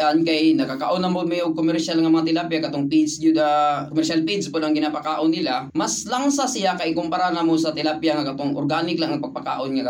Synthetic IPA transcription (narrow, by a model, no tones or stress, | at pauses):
ʔankɐjnɐkaka̰ʔonɐmomɛjoɡ̚komɛɾʃalŋɐmɐŋat̪ɪlapjakɐt̪oŋpisuakomɛɾʃalpid̪spolʔɐŋɡɪnaːpakaːʔonːɪlamɐslaŋsasɪjakɐʔɪkʊmpaɾanamosɐt̪ɛlaːpjaŋɐkɐt̪oŋʔo̰ɾɡaːnɪklaŋʔɐpɐɡ̚paka̰ːʔonŋɐkɐ